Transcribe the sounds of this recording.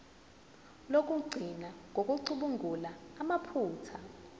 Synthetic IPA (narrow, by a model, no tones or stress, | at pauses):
lok̬ʼuɡ͡ǀʱinaŋɡʱokʼuǀuɓuŋʱulaːmapʰuːtʰa